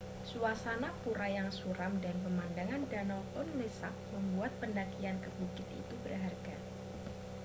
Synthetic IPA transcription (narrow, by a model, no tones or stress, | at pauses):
suasanapuɾajaŋsuɾamdanpəmandaŋandanɔʊnlesak̚məmbuat̪̚pəndakiankəbukɪt̪ḭt̪ubərɦarɡa